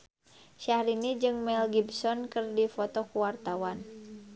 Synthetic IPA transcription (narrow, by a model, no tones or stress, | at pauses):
ʃahɾinid͡ʒɨŋmɛlɡibsɔnkɨrdifɔt̪ɔkuwart̪awan